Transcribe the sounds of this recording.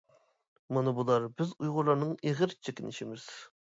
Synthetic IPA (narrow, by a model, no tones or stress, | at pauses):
mɑnɨbulˠɑɾbɪzujʁʊɾlˠɑɾnɨŋeʁəɾt͡ʃʰekʲinɪʃimɪz̥